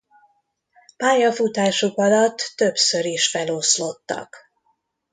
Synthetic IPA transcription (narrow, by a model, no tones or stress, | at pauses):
paːjɒfut̪aːʃukɒlɒt̪ːø̞psø̞ɾiʃfɛlo̞slo̞t̪ːɒ̰k